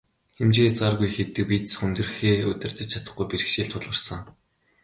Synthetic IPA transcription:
xemt͡ɕeːt͡sarɣujxet̪ɘ̆k̚pit̪sχɵnt̪ɵ̆rxeːɵt̪ʲɪ̆r̥t̪ɘ̆t͡ɕt͡ɕʰḁt̪ə̆χɡujpiɾɘ̆xʃiːɮt̪ʰʊɮə̆rsə̆ŋ

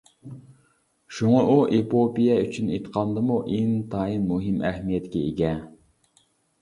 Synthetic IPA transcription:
ʃuŋɑʔuʔepopijɛyt͡ʃʰynet̪qʰɑnd̪ɨmuʔeŋt̪ʰɑːjinmuɦɪmʔɛhmijɛt̪kʲɛeɡʲɛ

